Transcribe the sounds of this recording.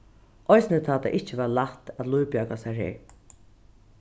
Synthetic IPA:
ɔjsɪnət̪ʰat̪ʰa̰ʔɪht͡ʃɪʋalaht̪æt̪lujpjœːkasaɹhḛːɹ

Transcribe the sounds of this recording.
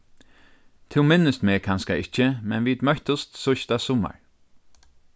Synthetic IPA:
t̪ʰɪlmɪnːəst̪meːkʰanskaɪht͡ʃːəmɛnʋiːd̪mœht̪ʊst̪sʊʃt̪asʊma̰ɹ

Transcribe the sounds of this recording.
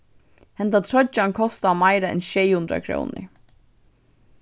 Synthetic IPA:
hɛnd̪at̪ʰɾɔt͡ʃːankʰɔst̪amajɾaɛ̰nʃɛjhʉnd̪ɾa̰kʰɾo̰wnɪ̰ɹ

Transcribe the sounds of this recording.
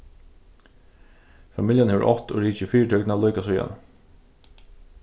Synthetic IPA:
famɪljanɛʋə̰ʔɔt̪ɔɹiːt͡ʃəfiːɾʈ̪ʰœknalɔʏkasɔja̰n

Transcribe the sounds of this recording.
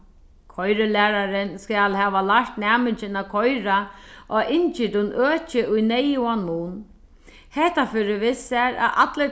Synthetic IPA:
kʰɔjɾɪlæːɾaɾɪnskalhɛːʋalaʂt̪næːmɪt͡ʃɪnakʰɔjɾaʔɔɪɲt͡ʃɪt̪ʊnøːt͡ʃɪʔʊjnɛjuanmuːn | hɛht̪afʏːɾɪʋɪsaɾa̰ʔat̪lə

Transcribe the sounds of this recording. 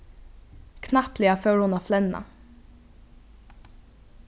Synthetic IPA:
kʰnɑplɪɑføːɹhʊnɑːflɛnɑ̰

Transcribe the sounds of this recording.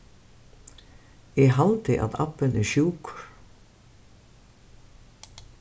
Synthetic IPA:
ɛɣɦalt̪ɪʔa̰ða̰pːɪnɛɾʃjuːkɾ

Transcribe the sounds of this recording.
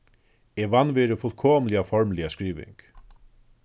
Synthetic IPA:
ɛvanːvɛːɾɪfʊlkʰoːmlɪafɔɹmlɪaskɾiːʋɪ̰ŋk

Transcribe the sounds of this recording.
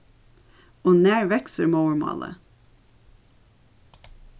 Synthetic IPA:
oːnæːɹʋɛksəɾmoʊəɹmɑ̰ːlʔə̰

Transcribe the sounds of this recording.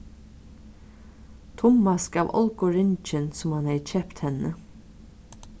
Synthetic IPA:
t̪ʰʊmːaskaːʋɔ̰lkʊɹɪnt͡ʃɪnsʊmhanhɛɪt͡ʃʰɛpt̪hɛnːə

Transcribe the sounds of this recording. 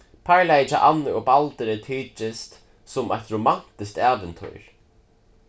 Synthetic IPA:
pʰaɹlajɪt͡ʃːɪʔanːəɔɣpalt̪əɾɪt̪ʰiːt͡ʃɪst̪ | sʊmajt̪ɾʊman̥t̪ɪst̪aːʋɛnt̪ʰṵjɹ̥

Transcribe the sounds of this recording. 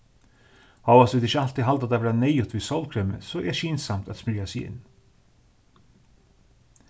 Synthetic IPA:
hɑːʋɑsʋɪːd̪ɪçəɑlt̪iːɦɑlt̪ɑt̪ɑʋɾɑneɪʊt̪ʋiːsɔlkʰɾœmə̰soːʔeːʃiːnsɑmt̪ʰɑt̪smɪɾasiɪ̰n

